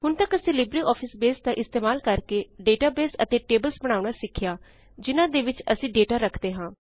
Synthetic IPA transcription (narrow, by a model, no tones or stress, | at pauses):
ɦʊnt̪əkəsĩːlɪbɾiːɔːpʰɪsbeːsd̪aːʔɪst̪eːmaːlkəɾkeːɖeːʈaːbeːsə̰t̪eːʈeːbəlsbəɽ̃aːuɳaːsɪkʰːɪjaː | d͡ʒɪnãːd̪eːʋɪt͡ʃəsĩːɖeːʈaːɾəkʰd̪eːɦãː